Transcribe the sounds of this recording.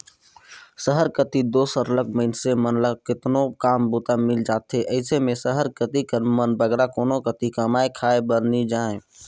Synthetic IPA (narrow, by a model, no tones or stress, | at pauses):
səɦəɾkət̪id̪oːsəɾləɡməɪnsemənləkɪt̪nokaːmbut̪amɪld͡ʒaːt̪ɦeʔəɪsemẽsəɦəɾkət̪ikəmənbəɡɾakoːnokət̪ikəmaːekʰaːebəɾnid͡ʒaːẽ